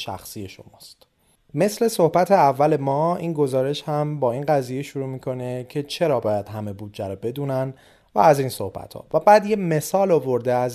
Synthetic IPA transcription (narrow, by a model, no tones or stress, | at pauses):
ʃæ̰xsijeʃo̰mɒ̰ːst̪ | me̞sle̞sohbæt̪ʰeævːæle̞mɒːiːnɡo̞zɒːɾe̞ʃhæmbɒːinɢæzijeʃuɾuːmiːkʰo̞ne̞cʰe̞t͡ʃʰe̞ɾɒːbɒːjæd̪̥ɦæme̞buːd̪d͡ʒæɾɔbe̞d̪uːnæn | væ̰ːziːnso̞̰hbæ̰t̪ʰhɒ̰ːvæbæːd̪jeme̞sɒːlovo̞ɾd̪eæz